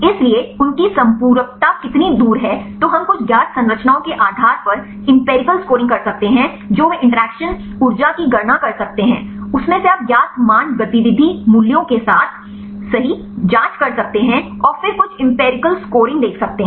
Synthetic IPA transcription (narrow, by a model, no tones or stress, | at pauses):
ɪslieʊnkisɐ̃mpuːɾək̚t̪akɪt̪nid̪uːɾɦɛːt̪oːɦɐmkʊt͡ʃʰɡjaːt̪̚ʰsɐ̃nɾət͡ʃnaːõkeʔaːd̪ʱaːɾpɐɾ | ɪ̃mpeːɾɪkəlskoːɾɪ̃ŋɡkɐɾsɐk̚t̪eɦɛ̃ | d͡ʒoːʋẽʔɪ̃ɳʈəɾɛːkʃən | ʊɾd͡ʒakiɡɐɾnakɐɾsɐk̚t̪eɦɛ̰̃ːʊsmẽseaːp̚ɡjaːt̪̚ʰmaːnɡɐt̪iʋɪd̪ʱimʊljõkesaːt̪ʰ | sɐɦi | d͡ʒãːt͡ʃkɐɾsɐk̚t̪eɦɛ̃ | ɔːɾfɪɾkʊt͡ʃʰɪ̃mpeːɾɪkəlskoːɾɪ̃ŋɡd̪eːkʰsɐk̚t̪eɦ